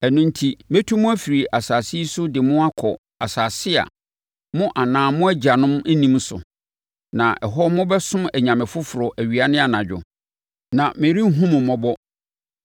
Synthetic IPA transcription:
ɛ˨nʊ̃˦n̩˦tʰi˦mẽ˦tʰu˦mʊ̃˦æ˦fi˨ɾi˨ʔa˨saː˨si˦sʊ˦dɪ˨mʊ̃˦a˦kʰɔ˨ | a˨saː˨sɪ˦a̰˨ | mʊ̃˦ʔa˨nãː˨mʊ̃˦æ˦d͡ʑa˨nʊ̃˦mæ˦nĩ˦m˦sʊ̰˨ | nã̰˨ʔɛ̰˨ɦɔ˦mʊ̃˦bɛ˦sʊ̃˦mæ˨ɲã˨mɪ̃˨fʊ˦fʊ˨ɾɔ˨ʔæ˨ɥi˨a˨nɪ̃˦a˨nã˨d͡ʑᶣʊ̰˨ | nã˨mẽ˨ɾi˦ŋ̩˦ɦũ˦mʊ̃˨mɔ̃˦bɔ˦

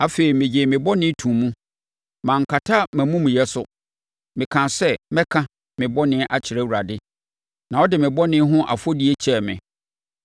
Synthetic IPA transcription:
a˦fe˨i˨mɪ̃˨d͡ʑɪ˨mɪ̃˨bɔ˦nɪ̃˦tʰũ˨mũ˦ | mã˨ŋ̩˨kʰa˨tʰa˦mæ̃˨mũ˦mũ˨jɛ˦sʊ˨ | mɪ̃˨kʰã˨sɛ˦mɛ̃˦kʰã˦ | mɪ̃˨bɔ˦nɪ̃˦ʔa˨t͡ɕʰɪ˨ɾɛ˦˨wu˨ɾa˨dɪ˦ | nã˨ɔ˦dɪ˨mɪ̃˨bɔ˦nɪ̃˦ɦʊ̃˦ʔa̰˨fɔ˦di˦e˦t͡ɕʰɛ˨mɪ̰̃˨

